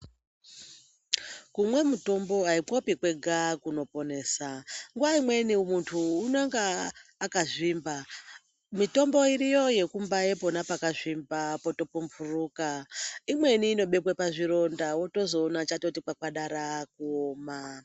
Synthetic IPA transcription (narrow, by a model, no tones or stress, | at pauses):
kumwe̞muto̞mbo̞aikopikwe̞ɡʱakuno̞po̞ne̞ːsaŋɡuʋaimwe̞nimuntʰuːnaŋɡaːkaʐiːmba | mito̞mbo̞irijo̞je̞kumbaepo̞napakaʐimbapoto̞pumvuruːkaimwe̞niːno̞ɓe̞pwepaʐiro̞ndawo̞to̞zo̞ːnat͡ʃato̞tikwakwaɗaɾak̚uoːma